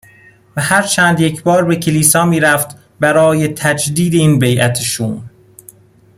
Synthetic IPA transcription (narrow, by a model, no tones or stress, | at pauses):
væhæɾt͡ʃʰæːnd̪jecʰbɒːɾbecʰeliːsɒːmiːɾæft̪ | bæɾɒːjet̪ʰæd͡ʒd̪iːd̪eiːnbejʔæt̪ʰeʃuːm